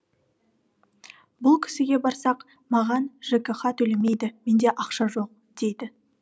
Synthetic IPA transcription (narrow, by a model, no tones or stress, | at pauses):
bʊlˠkʲʰɪ̥sɪɡʲe̞bɑɾsɑq | mɑʁɑnʒ̥ekʲeχɑt̪ʰɵleme̞jd̪ɪme̞nd̪e̞ʔɑqʃɑʒo̞q̚ | d̪̥e̞jd̪ɪ